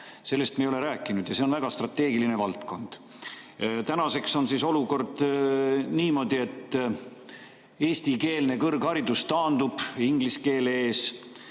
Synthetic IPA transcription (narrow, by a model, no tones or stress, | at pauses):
se̞lːe̞st̪mejole̞ɾæːkːˑinud̪̥jɑseo̞nvæɡ̥ɑst̪rɑt̪ːˑe̞ːɡiline̞vɑlt̪ko̞nd̪̥ | t̪ænɑse̞kso̞nsiso̞luko̞rd̪̥ | niːmo̞d̪̥ie̞t̪ː | eːst̪ike̞ːlne̞kɤrɡhɑɾid̪̥ust̪ɑːnd̪̥ub̥iŋɡ̥liske̞ːleeːs